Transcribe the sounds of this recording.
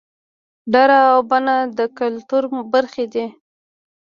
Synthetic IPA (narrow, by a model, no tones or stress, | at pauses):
ɖaɾaːwbanad̪əkalt̪uɾbaɾxed̪i